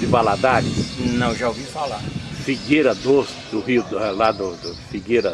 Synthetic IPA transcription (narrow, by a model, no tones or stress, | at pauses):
d̪ɪbalad̪aɾɪsnɐ̃w̃ʒaovifalaɾfiɡeɾɐd̪os | d̪ʊɦiʊd̪ɛlad̪ʊd̪ʊfiɡeɾɐ